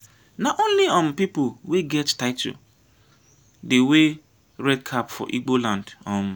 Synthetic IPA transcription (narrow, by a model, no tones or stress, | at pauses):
naʔõnliɔ̃m̩pipʊweɡɛttaɪtʰʊ̰ | dewe | ɾɛd̚kʰapfɔ̰ʔiɡ͡bolãndɔ̃m